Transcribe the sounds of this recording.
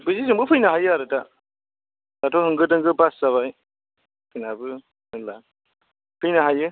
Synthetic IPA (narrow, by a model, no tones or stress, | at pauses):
bɯzizɯmbɯpʰɯjnaɦajɯaɾɯta | datʰɔhɯŋɡɯdɯŋɡɯpasːaβaj | pʰɯjnabɯ | ɯŋla | pʰɯjnaɦajɯ